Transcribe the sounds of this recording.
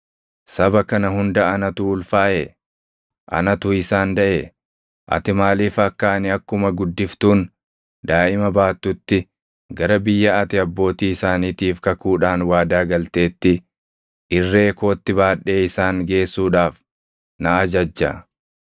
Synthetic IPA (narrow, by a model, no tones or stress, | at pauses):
sɐbɐkɐnɐɦʊnd̪ɐʔɐnɐt̪ʊʊlfaːʔe | ʔɐ̰nɐt̪ʊɪsaːnd̪ɐʔe | ʔɐ̰t̪ɪmaːliːfɐkːaːnɪɐkːʊmɐɡʊd̪ːɪft̪uːn | d̪aːʔɪmɐbaːt̪ːʊt̪ːɪ | ɡɐɾɐbɪjːɐɐt̪ɪɐbːo̞ːt̪iːɪsaːniːt̪iːfkɐkuːᶑaːnwaːd̪aːɡɐlt̪e̞ːt̪ːɪ | ʔɪrːeːko̞ːt̪ːɪbaːᶑːe̞ːɪsaːŋɡe̞ːsːuːᶑaːf | nɐɐd͡ʒɐd͡ʒːɐ̰